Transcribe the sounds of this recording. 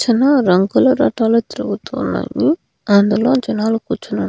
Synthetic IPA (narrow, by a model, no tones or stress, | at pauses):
t͡ʃɐnaɾɐŋɡulɐɾɐʈaːlot̪iɾuɡut̪unːɐ̰ji | ɐnd̪uloːd͡ʒɐnaːlukut͡ʃːunɐ